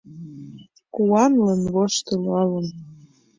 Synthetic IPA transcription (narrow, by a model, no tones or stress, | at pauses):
kuɑnlənβoʃt̪əlɑlən